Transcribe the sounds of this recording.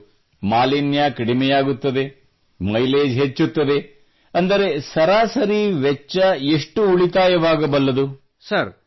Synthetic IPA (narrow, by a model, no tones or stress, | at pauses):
maːlinjakɐɽimɛjaːɡut̪ːɐd̪e̞ | mɐjleːd͡ʒɦet͡ʃːut̪ːɐd̪e̞ | ɐnd̪ɐɾe̞sɐɾaːsɐɾiʋɛt͡ʃːɐeʂʈuuɭit̪aːjɐʋaːɡɐbɐlːɐd̪u | sɐɾ